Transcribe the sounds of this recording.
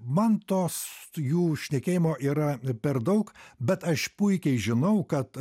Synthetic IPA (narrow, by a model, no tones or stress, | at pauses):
mɐnt̪oːsjuːʃʲnʲɛkʲeːjɪmoːʔiːɾɐpʲɛɾd̪ɐʊkbʲɛt̪ɐʃpʊɪkʲɛɪʒʲɪnɐʊkɐt̪